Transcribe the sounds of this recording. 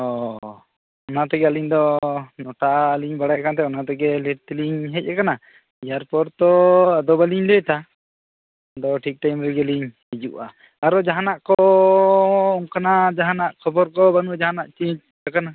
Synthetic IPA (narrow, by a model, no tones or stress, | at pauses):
ɔ | ɔnat̪ɛɡɛaliɲd̪ɔnɔʈaʔaːliɲbaɽajkant̪̬ɛɔnat̪ɛɡɛlɛʈ̚t̪ɛliɲɦɛc̚akana | ijaɾpɔɾt̪ɔad̪ɔbaliɲlɛʈa | d̪ɔʈʰik̚ʈajmɾɛɡɛliɲhid͡ʒuʔa̰ː | ɾɔd͡ʒaɦanaʔkɔ | ɔŋkanad͡ʒaɦanaʔkʰɔbɔɾkɔbanud͡ʒaɦanaʔt͡ʃiɲt͡ʃ̚ | kakana